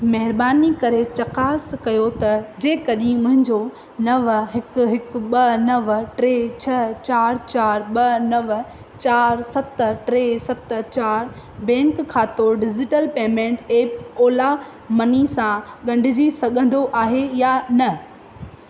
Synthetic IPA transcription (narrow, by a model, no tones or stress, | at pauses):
mɐɦɪɾbaːnikɐɾet͡ɕɐkaːskɐjot̪ɐd͡ʑeːkɐɗĩmʊ̃ɦɪ̃ɲd͡ʑo | nɐʋɦɪkʊɦɪkɓɐnɐʋʈɾeːt͡ɕʰɐt͡ɕaːɾt͡ɕaːɾɓɐnɐʋ | t͡ɕaːɾsɐt̪ʈɾeːsɐt̪t͡ɕaːɾ | bɛ̃ːŋkʰːãːt̪oːɖɪd͡ʑɪʈəlpeːmẽːɳʈeːpoːla | mɐnisãɠɐ̃ɳɖʱɪd͡ʑisɐɠə̃nd̪oʔaːɦejanɐ